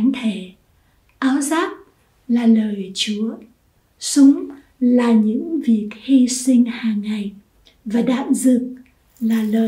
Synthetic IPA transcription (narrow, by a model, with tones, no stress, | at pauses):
ŋt̪ʰe˧˩ | ʔaː˨˦wzaː˦˥k̚ | laː˨˩ləː˨˩jt͡ɕu˨˦ə | sʊ˨˦ŋ͡m | laː˨˩ɲɨ̰˧˥ŋvi˨˩ək̚hi˧sï˧ŋ̟haː˨˩ŋːa˨˩j | vaː˨˩ɗa̰ː˧˨nzɨ˨˩ək̚ | laː˨˩ləː˨˩